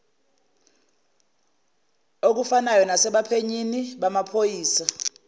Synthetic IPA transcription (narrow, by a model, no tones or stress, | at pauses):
ok̬ufanajɔnasɛɓapʰeɲiniɓamapʰojiːsa